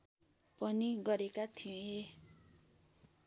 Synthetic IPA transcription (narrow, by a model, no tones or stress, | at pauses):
pʌniɡʌɾekat̪ʰie